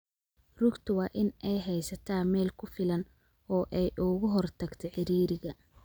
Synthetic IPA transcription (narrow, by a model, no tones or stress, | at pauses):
rʊɡt̪ʰʊwɑːʔɪnʔɛjɦɛjsɐt̪ʰaːmɛːlkʰʊfɪlɐn | ɔːʔɛjʔʊɣʊɦɔrt̪ʰɐɡt̪ʰɛħɪɾiːɾɪɣɐ